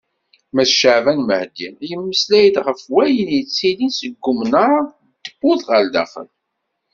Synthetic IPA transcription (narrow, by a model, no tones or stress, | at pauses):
mæθʃəʕvænməhd̪injəmːəslæjəd̪ʁəfwæjənjət͡sːilinsəɡːʊmnaɾˤa | d̪̥əbːuðʁəld̪æ̰fə̰l